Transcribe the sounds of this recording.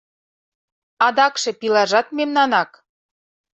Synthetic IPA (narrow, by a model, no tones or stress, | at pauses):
ɑd̪ɑkʃĕpilɑʒɑt̪memnɑnɑk